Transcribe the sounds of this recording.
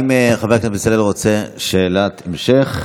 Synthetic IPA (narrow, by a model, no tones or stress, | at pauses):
imeχaveknaisalelʁot͡seʃeːlat̪ʰemʃeχ